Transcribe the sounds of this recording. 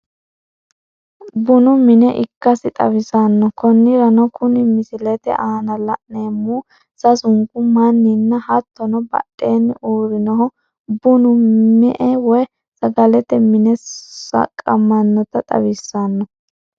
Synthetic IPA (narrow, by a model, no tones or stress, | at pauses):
bʊnʊmɪnɛʔɪkːɐsɪt̪ʼɐwɪsanːɔkɔnːɪɾɐnɔkʊnɪmɪsɪlɛt̪ɛ̰ʔaːnɐlɐʔneːmuː | sɐsʊŋkʊmɐnːinːɐhɐt̪ʰːɔnɔbɐ̰ɗʼːeːnːɪʔuːɾɪnɔɦɔ | bʊnʊmɛʔɛwɔj | sɐɡɐlɛt̪ɛmɪnɛsɐ̰kʼːɐmɐnːɔt̪ɐt̪ʼɐ̰wɪsːanːɔ